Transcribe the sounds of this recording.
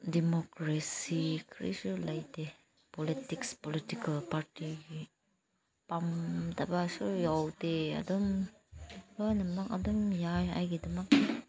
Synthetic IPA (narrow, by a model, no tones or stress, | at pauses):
dimokɾesikʰɾḭsulajde | politikspolitikalpaɾtiɡi | pamtabasujawtea̰dɔm | lojnamaka̰dɔmjaja̰jɡidɐmak̚